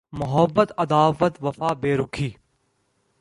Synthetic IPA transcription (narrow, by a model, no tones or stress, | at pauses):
mʊɦəbːət̪ɐd̪aːʋət̪ʋɐfaːbeːɾʊkʰiː